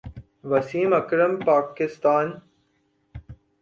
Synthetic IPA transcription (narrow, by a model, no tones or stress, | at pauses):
ʋɐsiːmɐkɾəmpaːkɪst̪aːn